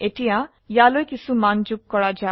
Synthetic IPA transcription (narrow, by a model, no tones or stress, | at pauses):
eʈijã | jalojkisumand͡ʒukkɔɽad͡ʒa